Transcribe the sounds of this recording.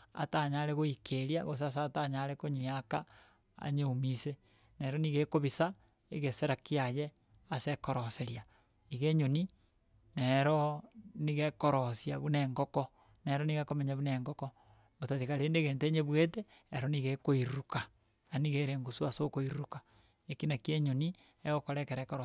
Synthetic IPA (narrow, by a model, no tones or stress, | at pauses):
a̰taɲaɾeɣoikeɾjaɣos̬as̬ataɲaɾekoɲiaka | a̰ɲeumise | neɾoniɣekoβisa | eɣeseɾakiaje | asekoɾoseɾja | iɣeɲoni | neɾoniɣekoɾosjaβuneŋɡoko | neɾoniɣekomeɲaβuneŋɡoko | otaðikaɾeːndeɣeːnteːɲeβweteː | ɾoniɣekoiɾuka | aniɣeɾeːŋɡusuasokoiɾuɾukḁ | ekinakieɲoni | eɣokoɾekeɾekoɾo